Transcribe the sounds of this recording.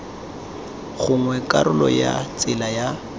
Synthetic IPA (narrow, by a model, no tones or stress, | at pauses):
ɣʊŋwɛkʼaɾʊlɔja̰t͡sʼɪlaja